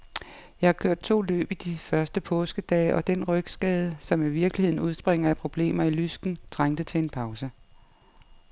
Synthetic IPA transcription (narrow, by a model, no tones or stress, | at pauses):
jɑ̈ɪhɑ̈kʰøɐ̰d̥̚t͡sʰo̝̰ːlø̰ːb̥id̥ifɶɐsd̥əpʰɔ̽ːsɡ̥əd̥ɛ̰ːʔɒ̽d̥enʁœɡ̥sɡ̥ɛːð̞ˠəsɒ̽miʋiɐɡ̥lihe̝ð̞̰ˠn̩uð̞ˠsb̥ʁeŋ̰ɐæpʰʁo̝b̥le̝̰ːmɐilysɡ̥n̩t͡sʁaŋ̰d̥ət͡sʰe̝e̝npʰɑ̈ʊsə